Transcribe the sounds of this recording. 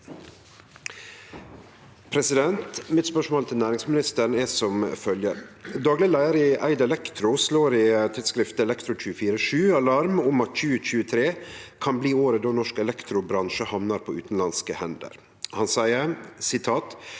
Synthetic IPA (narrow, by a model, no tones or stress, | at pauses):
pʰɾɛsɪd̪ɛnt̪mɪt̪spœʂmoːlt̪ʰɪlnæːɾɪŋsmɪnɪst̪əɳɛsɔmfœljəɾd̪ɑːɡlɪɡəlæɪəɾɪʔæɪd̪ɛlɛkt̪ʰɾʊsloːɾɪt̪ʰɪd̪skɾɪft̪əɛlɛkt̪ʰɾʊc͡çʉːəfiːɾəʂʉːɑlɑɾmʊmɑt̪c͡çʉːəc͡çʉːət̪ʰɾeːkʰɑnbliːoːɾəd̪oːnɔʂkɛlɛkt̪ɾʊbɾɑnʃəhɑʋnɑɾpʰoːʉːt̪n̩lɑnskəhɛnd̪ə̰ɾ | hɑnsæɪəsɪt̪ʰɑːt̪